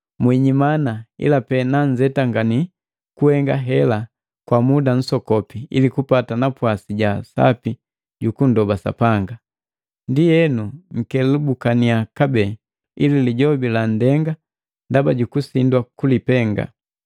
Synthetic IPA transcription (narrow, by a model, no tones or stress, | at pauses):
mwiɲimanaḭlapɛnaɲd͡ʒɛtaŋɡani | kuhɛŋɡaɦɛla | kwamudan̩sɔkɔpiilikupatanapwasiɟasa̰pi | ɟukundɔbasa̰paŋɡa | ndijɛnuŋ̩kɛlubukaniakabɛː | ḭliliɟɔbilandɛŋɡa | ndabaɟukusindwakulipɛŋɡa̰